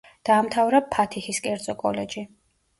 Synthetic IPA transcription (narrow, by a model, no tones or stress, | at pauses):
d̪̥aːmt̪ʰavɾapʰːat̪ʰixiskʼɛɾd̪zʼɔkʼɔlɛd͡ʒi